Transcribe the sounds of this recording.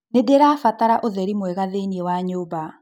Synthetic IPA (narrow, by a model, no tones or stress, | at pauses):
nedeɾaːfataɾaʔoðɛɾimwɛɣaðeniewaɲoːba